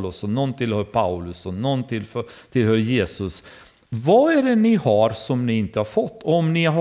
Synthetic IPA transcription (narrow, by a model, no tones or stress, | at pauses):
lɵsɔnɔnt̪ʰɪlhœːɾpʰaʊlɵsɔnɔnːt̪ʰɪlft̪ʰɪlhœːɾjeːsɵs | vaæɖɛnɪhɑɾsɔmnɪɪnt̪əhɑɾfɔt̪ːɔɔmnɪɦa